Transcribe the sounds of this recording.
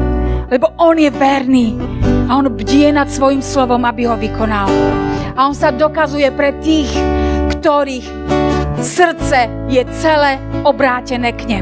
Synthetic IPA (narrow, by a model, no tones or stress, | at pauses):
lɛbɔʔɔnjɛvɛɾniːaɔnbɟijɛnat̪sʋɔjimslɔʋɔmabiɦɔʋikɔnalaɔnsad̪ɔkazujɛpɾɛt̪iːxkt̪ɔɾiːx | sr̩t͡sɛ | jɛt͡sɛlɛːɔbɾaːcɛnɛːkɲɛm